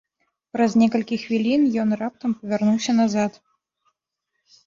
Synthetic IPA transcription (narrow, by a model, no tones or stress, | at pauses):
pɾɐzʲnʲɛkɐlʲkʲixvʲilʲinjɔnrap̚t̪ɐmpɐvʲarnuwsʲɐnazat̪